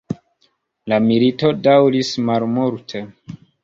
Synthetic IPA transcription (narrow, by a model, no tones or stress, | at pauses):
lamilito̞dawɾismalmuɾtʰe